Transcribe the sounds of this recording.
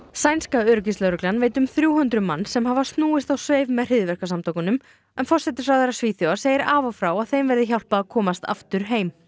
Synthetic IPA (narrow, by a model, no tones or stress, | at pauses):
sajnskaœɾʏcislœɾʏklanveːjt̪ʏmθɾjuːhʏnt̪ɾʏma̰nːsɛmɦavast̪nuːɪst̪awsveːjvmɛðr̥ɪðvɛr̥kasamt̪ʰowkʏnʏm | ɛnfɔr̥sɛt̪ɪɾ̥fɾawθɛɾːḁsviːθjowaɾseːjɪɾaːvafɾawaðθejmvɛɾðɪçawl̥paːkʰɔːmast̪a̰ft̪ʏɾ̥ɦeːjm